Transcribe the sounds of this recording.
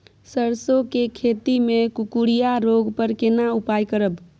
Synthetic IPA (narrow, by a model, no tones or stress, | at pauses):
səɾsokekʰet̪imekukuɽijaɾoɡpəɾkenaupajkəɾəb